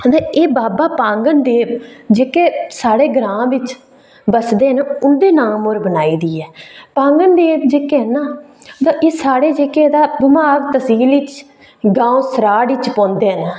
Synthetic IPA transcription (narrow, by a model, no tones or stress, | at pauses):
əd̪eeːbaːbaːpãːŋɡənd̪eːbd͡ʒeːkeːsaːɽeːɡɾãːʋɪt͡ʃ | bəsd̪eːənʊnd̪eːnaːmoːɾbənaːiːd̪iːɛːpãːŋɡənd̪eːbd͡ʒeːkeənaː | t̪ãːʔeːsaːɽeːd͡ʒeːked̪aːbɪmaːɡt̪əsiːlɪt͡ʃ | ɡãːõːsəɾaːɽɪt͡ʃpɔ̃ːnd̪eːɦənː